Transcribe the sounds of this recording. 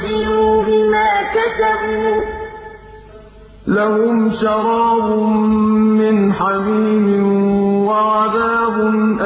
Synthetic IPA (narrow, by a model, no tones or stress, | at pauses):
ɪluːbɪmaːkat̪abuː | lahʊmʃɑɾˤɑːbʊ | mɪnħamiːmɪnwaʕaðaːbʊnʔ